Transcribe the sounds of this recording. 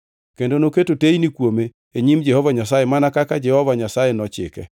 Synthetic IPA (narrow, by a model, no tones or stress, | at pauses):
kendonoketotejnikwome | eɲimd͡ʒɛhɔvaɲas̬ajemanakakad͡ʒɛhɔvaɲasajenɔt͡ʃɪ̰kɛ̰